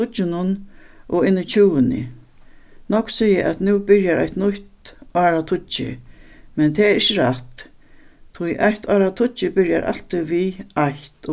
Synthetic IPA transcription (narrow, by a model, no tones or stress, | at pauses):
ʊt͡ʃːɪnʊnʔɔɪnːɪt͡ɕʰuːwənɪ̰ | nɔksijəʔæ̰t̪nuːbɪɾjaɾa̰jht̪nʊht̪ɑːɾat̪ʰʊt͡ʃːɪ̰mɛnt̪ʰɛɛɾɪt͡ɕːəɾaht̪ | t̪ʰʊjʔajht̪ʰaːɾat̪ʰʊt͡ʃɪbɪɾjaɾʔa̰lt̪iʋiaht̪ɔ